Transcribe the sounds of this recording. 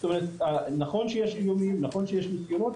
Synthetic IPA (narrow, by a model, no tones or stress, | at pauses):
st̪omeʁet̪anaχo̞nʃejeʃijomimnaχo̞nʃejeʃmisɡiɾot̪